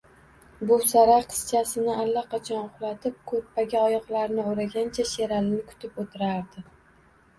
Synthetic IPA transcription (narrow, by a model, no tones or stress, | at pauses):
bʊsaɾaqʰɨ̥st͡ʃʰasɪnɪʔalːaqʰɑt͡ʃʰɒnʊχlˠat̪ʰɪp̚kʰɵɾpʰaɡʲaɒjɒqlˠaɾnɪoɾaɡʲant͡ʃʰaʃe̞ɾalɪnɪkʰʊ̥t̪ʰɪpot̪ʰɪɾaɾd̪ɪ